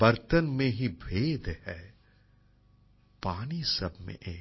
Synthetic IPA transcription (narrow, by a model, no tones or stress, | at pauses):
b̥ɐɾt̪ənmẽɦibʱeːd̪hɛː | paːnisɐbʱmḛ̃ʔeː